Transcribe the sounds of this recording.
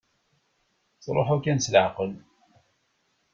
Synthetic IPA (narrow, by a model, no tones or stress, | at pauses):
t͡sˤɾˤo̰ħakænsləʕqəl